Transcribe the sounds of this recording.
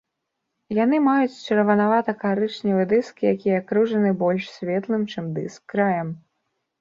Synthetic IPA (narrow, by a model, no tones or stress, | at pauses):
jan̪ɨmajut͡sʲt͡ʂɐɾvɐnavat̪ɐkaɾɨt͡ʂnʲivɨd̪ɨskʲijakʲijɛkɾuʐɐnɨbɔlʲʂsʲvʲɛt̪lˠɨmt͡ʂɨmd̪ɨ̰skːɾajɐm